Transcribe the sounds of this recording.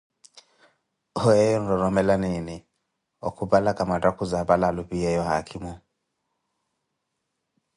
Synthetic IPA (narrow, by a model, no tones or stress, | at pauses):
ɔɛjɔn̩ɾɔɾɔmɛlanini | ɔ̰kubalakamatakuzabalalupiɛjɔhakʰimu